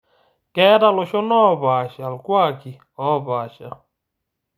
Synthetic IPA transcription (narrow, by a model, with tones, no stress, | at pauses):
kɛ˦ɾa˦lo˨ʃo˦nɔː˦˨baː˨ʃa˨lkwa˦˨ki˨ | ɔ˦baː˨ʃa̰˨l